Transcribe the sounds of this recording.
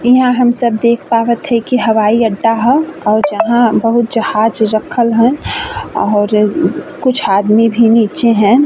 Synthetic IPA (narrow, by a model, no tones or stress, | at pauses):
iɦãɦɐmsəb̚d̪eːk̚ʰpaːʋət̪ɦɛkiɦɐʋaːiɐɖːaɦɛɔːɾd͡ʒɐɦãbɐɦʊt̪̚d͡ʒɐhaːd͡ʒɾɐkʰəlɦənɔːɾkʊt͡ʃʰaːd̪mibʱiniːt͡ʃeɦɛ̃